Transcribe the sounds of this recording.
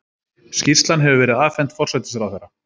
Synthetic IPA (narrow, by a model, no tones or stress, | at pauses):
sci̥st̪lanɦɛvʏvɛːɾɪðaːðfɛn̥t̪fɔr̥sɛt̪ɪ̥s̬ɾawθɛjɾːa